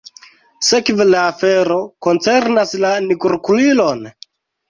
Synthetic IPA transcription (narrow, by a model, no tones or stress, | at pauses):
sekvelaːfeɾo̞ko̞nt͡seɾnaslanikuɾkulilo̞n